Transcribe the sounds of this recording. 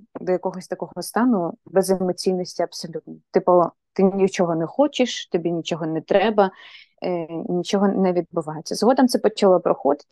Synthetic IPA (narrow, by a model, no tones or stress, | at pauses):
d̪ɔjɐkɔɦɔsʲt̪ɐkɔɦɔɔst̪ɑnʊbɛzɪmɔt͡sʲijnːɔsʲtʲiɐpsɔlʲut̪nɔt̪ɪpɔ | t̪ɪnʲit͡ʃɔɦɔnɛxɔt͡ʃɪʃt̪ɔbʲinʲit͡ʃɔɦɔnɛt̪ɾɛbɐ | nʲit͡ʃɔɦɔnɛʋʲid̪̚bʊʋɑjet͡sʲːɐzɦɔd̪ɐmt̪sɛpɔt͡ʃɐlˠɔpɾɔxɔd̪ɪ̥t̪ɪ̥